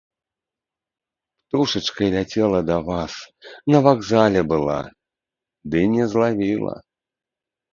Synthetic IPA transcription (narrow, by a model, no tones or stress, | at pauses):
pt̪uʂɨt͡ʂkɐlʲat͡sʲɛlˠɐd̪avasnɐvaɡzalʲɛbɨlˠa̰ | d̪ɨnʲɛzlˠavʲilˠɐ̰